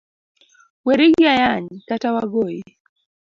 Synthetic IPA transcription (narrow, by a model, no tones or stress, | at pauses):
weɾiɡiajaɲkatawaɡoje